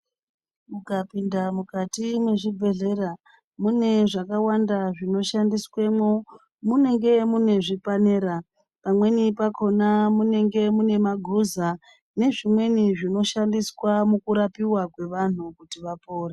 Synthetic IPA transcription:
mukapindamukatimwe̞ʐibʱe̞ɮe̞ra | mune̞ʐakawandaʐino̞ʃandiswe̞mwo | mune̞ŋɡe̞mune̞ʐipaneːɾa | pamwe̞nipakʰo̞namune̞ŋɡe̞mune̞maɡʱuza | ne̞ʐimwe̞niʐino̞ʃandiswamukuɾapiwakwe̞ʋan̤ukutiʋapoːre

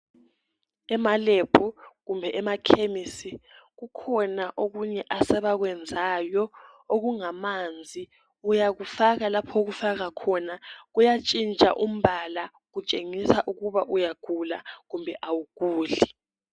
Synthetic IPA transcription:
ɛmalepʰuɣumbʱɛʔɛmakʰemisiɣukʰɔnaʔoɣuɲɛʔasɛβaɣ̬wɛnd͡zʱaːjɔ | oɣuŋamand͡zʱi | ujaɣufaɣalapʰɔɣufaɣakʰɔnaɣujat͡ʃʼint͡ʃʼa̰ʔum̩βala | ɣut͡ʃʼeŋisaʔuɣuβaʔujaɡ̥ʱulaɣumbʱɛʔawuɡ̥uːɮi

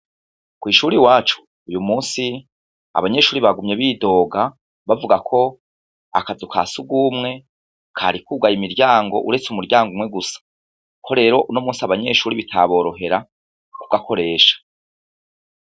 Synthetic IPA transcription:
kwiːʃuːɾiwaːt͡ʃu̥ːjumuːnsi | a̰βaɲe̞ʃuːɾiβaɡumɲe̞βiːdo̞ːɡa | βavuɡakʰo̞ | a̰kazukʰa̰ːsuɡuːmŋe̞ | kʰa̰ːɾikuːɡajimiɾɟaːŋɡo̞̰ʔuɾe̞t͡sumuɾjɟaːŋɡumŋe̞ɡusḁ | kʰo̞ɾe̞ːɾo̞ʔunomuːsiaβaɲe̞ːʃuːɾiβitʰa̰βo̞ːɾo̞ɦe̞ɾa | kuɡakʰo̞ɾe̞ːʃḁ

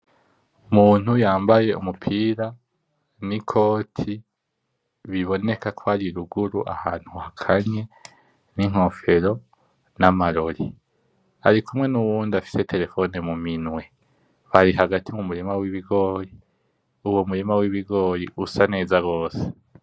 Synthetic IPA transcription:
muːn̥hujaːmbaje̞ṵmupʰiːɾa | nikʰo̞ːtʰi | βiβo̞ne̞kakʰoaɾiɾuɡuɾuʔa̰haːn̥huhakʰaɲe̞ | niŋ̥ho̞fe̞ɾo̞ | namaɾo̞ɾḭ | a̰ɾikumwe̞nuβuːndafi̥se̞tʰe̞ɾe̞fo̞ne̞muminwe̞ | βaɾiɦaɡatʰimumuɾimawiβiɡo̞ːɾi | uwomuɾimawiβiɡo̞ːɾḭʔusane̞ːzaɡo̞ːse̥

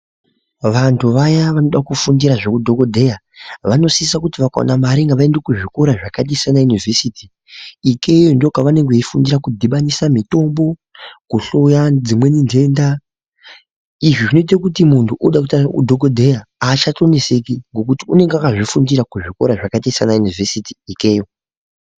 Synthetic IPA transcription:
ʋantʰuʋajaʋano̞ɗakufundiɾaʐekudʱo̞kodʱe̞ja | ʋano̞siisakutiʋaka̰o̰namaɾiŋɡaʋae̞ndekuʐiko̞ɾaʐakatisanajunive̞sitiː | ke̞jondo̞kaʋane̞ŋɡeifundiɾakudʱiɓanisamito̞mbo̞ | kuɬojad͡zimwe̞ninde̞nda | iʐiʐinoit̬akutimuntʰuʔuɗakutaṵdʱo̞kodʱe̞jaːt͡ʃato̞nesekiŋɡo̞k̬utiune̞ŋɡeakaʐifundiɾakuʐiko̞ɾaʐakatisanajunivesiti̥ike̞ːjo̞

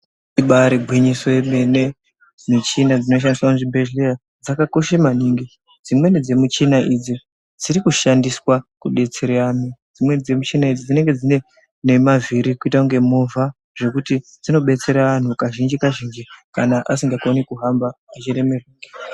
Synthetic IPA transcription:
iɓaɾibʱwiɲisoemene | mit͡ʃinad͡zino̞ʃ̬andiswamuʐibʱeʒea | d͡zakako̞ʃemaniːŋɡi | d͡zimwe̞ned͡ze̞mut͡ʃinaʔid͡zi | d͡ziɾikuʃandiswakuɗe̞t͡seɾeamid͡zimwe̞nd͡ze̞mut͡ʃinaid͡zid͡zine̞ŋɡe̞d͡zine̞ | ne̞maviɾikuitaŋɡe̞movʱa | ʐe̞kutid͡zino̞ɓe̞t͡se̞ɾaʋan̤ukaʒind͡ʒikaʒind͡ʒikanaʔasiŋɡakonikuɦambaat͡ʃiɾe̞me̞rwiːke̥

